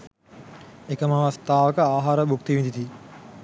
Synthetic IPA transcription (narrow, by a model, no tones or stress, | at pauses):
ekəmaʋɐst̪aːʋəkəaːɦaːɾəbukt̪iʋind̪it̪i